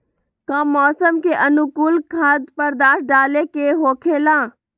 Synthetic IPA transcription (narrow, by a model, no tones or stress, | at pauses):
kãːmɔːsəmkeʔənukuːlkʰaːd̪pəɾd̪aːʃɖaːlekeɦoːkʰelãː